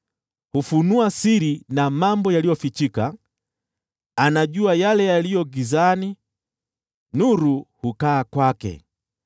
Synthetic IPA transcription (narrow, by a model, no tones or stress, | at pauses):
hufunuasiɾinamambɔjalijɔfit͡ʃika | anaʄuajalɛjalijɔɡizani | nuɾuhukaːkwakɛ̰